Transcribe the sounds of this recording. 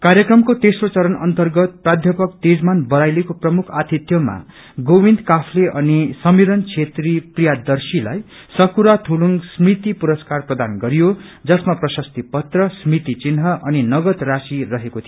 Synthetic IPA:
karjʌkrʌmkot̪esrot͡sʌɾʌnʌ̰nt̪ʌrɡʌt̪̚prad̪ʱjʌpʌk̚t̪ed͡zmanbʌɾajlekoprʌmukʰat̪it̪jʌma̰ | ɡobind̪kapʰleʔʌnisʌmiɾʌnt͡sʰet̪riprijad̪ʌrsila̰j | sʌkuɾat̪ʰuluŋɡsmit̪ipuɾʌskarprʌd̪anɡʌɾijod͡zʌsmaprʌsʌst̪ipʌt̪rʌsmit̪it͡sinɦʌʔʌninʌɡʌt̪rasirʌɦekot̪ʰijo

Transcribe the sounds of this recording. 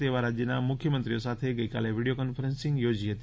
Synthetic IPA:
t̪eʋaɾad͡ʒjənamʊkʰjəmənt̪ɾijosat̪ʰeɡəjkaleʋiɽijokɔnfəɾə̃nsĩŋɡjod͡ʒiɦət̪i

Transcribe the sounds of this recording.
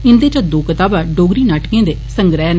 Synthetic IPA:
ɪnd̪eːt͡ʃə̃d̪oːkət̪aːbaːɖoːɡɾiːnaːʈkẽːd̪eːsəŋɡɾɛːn

